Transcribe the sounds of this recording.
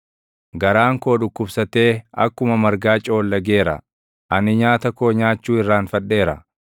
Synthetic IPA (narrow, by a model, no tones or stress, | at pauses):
ɡɐɾaːŋko̞ːᶑʊkːʊbsɐt̪e̞ːɐkːʊmɐmɐɾɡaːt͡ʃʼo̞ːlːɐɡe̞ːɾɐ̰ | ʔɐnɪɲaːt̪ɐkoːɲaːt͡ʃːuːɪrːaːnfɐᶑːe̞ːɾɐ̰